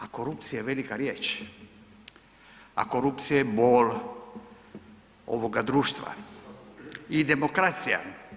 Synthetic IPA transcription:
ako̞ɾupt̪sijaʋelikaɾjeːt͡ʃ | a̰koɾup̚t̪sijaeboːl | o̰ʋoɡad̪ɾuːʃt̪ʋa̰ | id̪emokɾat̪sija̰

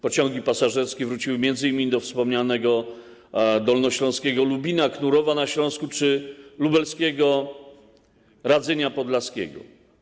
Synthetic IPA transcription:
pɔt͡ɕɔ̃ŋɡʲipasaʐɛɾskʲivɾut͡ɕiwɘmʲjɛnd̪zɘimʲid̪ɔfspɔmɲanɛɡɔ | d̪ɔlnɔɕlɔ̃skʲɛɡɔlubʲinaknuɾɔvanaɕlɔ̃skut͡ʂɘlubɛlskʲɛɡɔ | ɾad̪zɛɲapɔd̪laskʲɛ̰ɡɔ̰

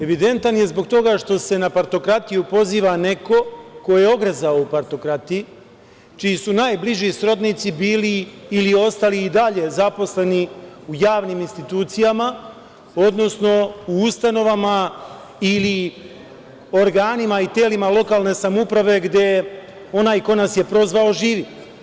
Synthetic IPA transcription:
e̞ʋid̪e̞nt̪anje̞zbo̞ɡt̪o̞ɡaʂt̪o̞se̞napaɾt̪o̞kɾat̪ijupo̞ziːʋane̞ko̞ko̞je̞o̞ɡɾezaoupaɾt̪o̞kɾat̪iji | t͡ʃiːsunaːjbliʒisɾo̞d̪nit̪sibiːliːlio̞st̪aliːd̪aʎe̞zapo̞sle̞niujaːʋniminst̪it̪uːt̪sijama | o̞d̪no̞sno̞uust̪ano̞ʋama | ili | o̞ɾɡaːnimait̪eːlimalˠo̞kalˠne̞samupɾaʋe̞ɡd̪je̞ | o̞naːjko̞nasje̞pɾo̞zʋao̞ʒiːʋi

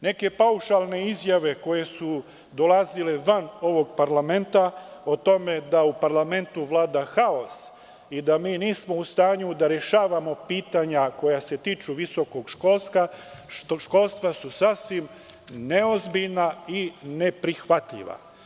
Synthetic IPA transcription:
ne̞ke̞pauʃalˠne̞izjaʋe̞ko̞je̞su | d̪o̞lazile̞ʋano̞ʋo̞ɡpaɾlame̞nt̪aot̪o̞me̞d̪aupaɾlame̞nt̪uʋlaːd̪axao̞s | id̪amiːniːsmo̞ust̪aːɲud̪aɾeʃaːʋamo̞piːt̪aɲako̞jase̞t̪iːt͡ʃuʋiso̞ko̞ɡʃko̞lst̪aʃt̪oʃko̞lst̪ʋasusasʋim | ne̞o̞zbiʎnaine̞pɾixʋat̪ʎḭʋa̰

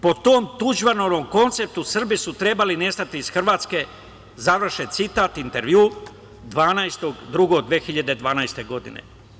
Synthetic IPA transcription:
po̞t̪o̞ːmt̪uʒʋanoʋomko̞nt̪se̞p̚t̪usr̩bisut̪ɾe̞baline̞st̪at̪iːz̥xrʋaːt̪ske̞ | zaʋr̩ʃet̪sit̪aːt̪int̪e̞ɾʋjuː | d̪ʋaːnajst̪o̞ɡd̪ɾuɡo̞ɡd̪ʋeːxiʎad̪e̞d̪ʋaːnajst̪e̞ɡo̞d̪ḭnḛ

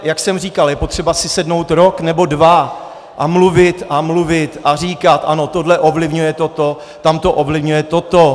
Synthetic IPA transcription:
jaksɛmriːkaljɛpo̞t̪r̝̥ɛbasɪsɛdno̞wt̪ɾoknɛbo̞dva | ʔamluvɪt̪amluvɪt̪ʔar̝iːkat̪ʔa̰no̞t̪o̞dlɛʔo̞vlɪvɲujɛt̪o̞t̪o | t̪amt̪o̞ʔovlɪvɲujɛt̪ot̪o

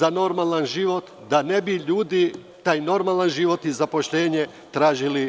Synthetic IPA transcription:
ano̞ɾmalˠanʒiʋo̞t̪ | d̪anebiʎuːd̪i | t̪aːjno̞ɾmalanʒiʋo̞t̪izapo̞ʃʎe̞ːɲe | t̪ɾaːʒili

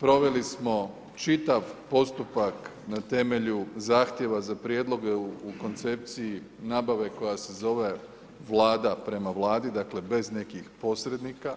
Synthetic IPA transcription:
pɾo̞ʋe̞lismo̞ | t͡ʃit̪aʋpo̞st̪upak | nat̪e̞me̞ʎuzaːxt̪je̞ʋazapɾje̞d̪lˠo̞ɡeuuko̞nt̪se̞p̚t̪sijinaːbaʋe̞ko̞jase̞zo̞ʋe̞ | ʋlaːd̪apɾe̞maʋlˠaːd̪id̪akle̞be̞zne̞kixpo̞sɾe̞d̪nika

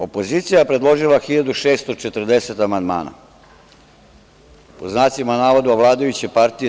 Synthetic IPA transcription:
o̞po̞ziːt̪sijapɾe̞d̪lˠo̞ʒilaxiʎad̪uʃe̞ːst̪o̞t͡ʃet̪r̩d̪e̞se̞t̪amand̪ma̰ːna̰ | poznaːsimanaːʋod̪uaʋlˠaːd̪ajut͡ɕepaɾt̪ije

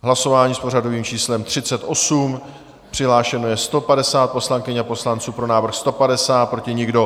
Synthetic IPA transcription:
ɦlaso̞vaːɲiːspo̞r̝ado̞viːmt͡ʃiːslɛmt̪r̝̥ɪt͡sɛt̪ʔo̞sum | pr̥ɪɦlaːʃɛno̞jɛst̪o̞padɛsaːt̪̚po̞slaŋkɪɲapo̞slant͡suːpɾo̞naːvr̩xst̪o̞padɛsaːt̪̚pɾo̞cɪɲɪɡdo̞

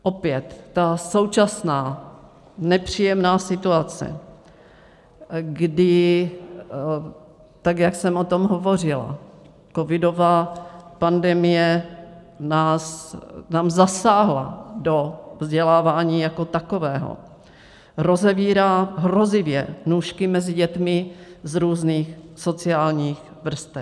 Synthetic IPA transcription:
ʔopjɛt̪ːaso̞wt͡ʃasnaː | nɛpr̝̥iːjɛmnaːsɪt̪uat͡sɛ̰ | ɡdɪ | t̪aɡjaksɛmʔot̪o̞mɦovo̞r̝ɪla̰ | kovɪdo̞vaːpandɛmɪjɛ | naːsnaːmzasaːɦla̰dovzɟɛlaːvaːɲiːjako̞t̪ako̞vɛːɦo̰ | ɾo̞zɛviːɾaːɦɾo̞zɪvjɛnuːʃkɪmɛzɪɟɛt̪mɪzɾuːzniːxso̞t͡sɪaːlɲiːx | vr̩st̪ɛ

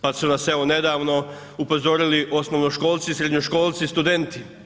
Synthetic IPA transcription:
pad̪sunaseone̞d̪aːʋno̞ | upo̞zo̞ɾiliʔo̞snoʋnoʃko̞ːlˠt̪sisɾed̪ɲoʃko̞ːlˠt̪sist̪ud̪e̞nt̪i

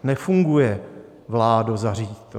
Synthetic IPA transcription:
nɛfuŋɡujɛ | vlaːdozariːt̪

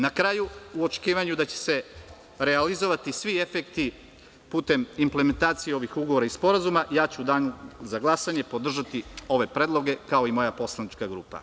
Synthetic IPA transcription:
nakɾaːjuuo̞t͡ʃe̥kiːʋaɲud̪at͡ɕe̥se̞ | ɾe̞alizo̞ʋat̪isʋie̞fekt̪i | puːt̪e̞mimpleme̞nt̪aːt̪sijeo̞ʋixuɡoʋoɾaispo̞ɾazumajaːt͡ɕuːd̪aːnuzaɡlˠasaɲe̞po̞d̪r̩ʒat̪io̞ʋe̞pɾed̪lˠo̞ɡe̞kao̞imo̞japo̞slˠanit͡ʃkaɡɾṵːpa̰

